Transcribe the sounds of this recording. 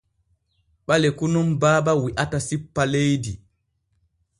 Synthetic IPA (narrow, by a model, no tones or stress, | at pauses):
ɓalɛkunumbaːbawiʔatasipːalejdi